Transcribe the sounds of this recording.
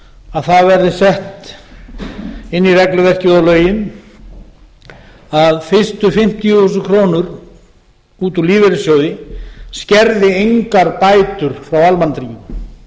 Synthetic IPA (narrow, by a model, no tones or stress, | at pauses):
aðθaðvɛɾðɪsɛht̪ | ɪnːirɛklʏvɛr̥cuːðalœːɥjɪn | aðfɪst̪ʏfɪm̥t̪ijʏθuːskʰɾoːnʏɾ | uːt̪uliːvɛɾɪsjowðɪscɛɾðɪejŋkaɾpaːjt̪ʏɾ̥fɾawalmant̪ɾiɪm